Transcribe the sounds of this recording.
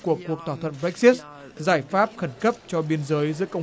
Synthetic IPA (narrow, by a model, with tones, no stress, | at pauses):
ku˨˩əkːu˨˩ək̚t̪ʰaː˧˩t̪ʰə̰˧˨nbɛ˦˥k̚si˦˥t̚ | zaː˧˩jfaː˦˥p̚xə˧˩nkə˦˥p̚t͡ɕɔ˧ɓi˧ənzəː˨˦jzɨ̰˧˥əkə˧wŋ͡m